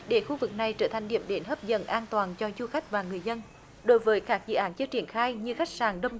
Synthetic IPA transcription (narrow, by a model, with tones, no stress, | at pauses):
ɗe˧˩xu˧vɨ˨˩k̚na˨˩jt͡ɕəː˧˩t̪ʰa˨˩ŋ̟ɗḭ˧˩əmɗe˨˦nɦəː˦˥p̚zə̰˧˨nʔaː˧nt̪waː˨˩nt͡ɕɔ˧zu˧xa˦˥jk̟̚vaː˨˩ŋɨ˨˩əjzə˧n | ɗo˨˦jvəː˨˦jkaː˦˥k̚zɨ̰˧˨ʔaː˨˦nt͡ɕɨ˧t͡ɕi˧˩ənxaː˧jɲɨ˧xa˦˥k̟̚saː˨˩nɗə˧wŋ͡m